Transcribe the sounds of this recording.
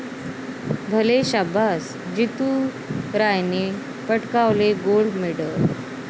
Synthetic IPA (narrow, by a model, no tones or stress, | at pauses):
bʱəleɕabʱas | d͡ʑit̪u | ɾajne | pəʈkawleɡoɭɖmeɽə